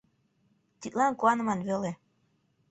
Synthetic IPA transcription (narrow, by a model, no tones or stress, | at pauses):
t̪it̪lɑnkuɑnə̆mɑnβøle